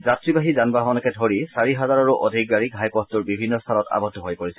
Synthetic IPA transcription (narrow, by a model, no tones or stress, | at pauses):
zatɹibaɦizanbaɦɔnɛkɛdʱoɹisaɹiɦazaɹaɹuʔɔdʱik̚ɡaɹikɦajpɔstuɹbibʱinːɔstʰanɔta̰bɔdʱːɔɦojpoɹisɛ